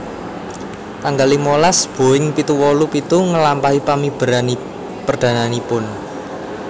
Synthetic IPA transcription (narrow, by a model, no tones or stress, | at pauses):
k̪aŋɡalimolasb̥o̤ɪŋpit̪uwɔlupit̪uŋəlampaɦipamib̥ə̤ɾani | pərd̪̥ä̤nanipʊn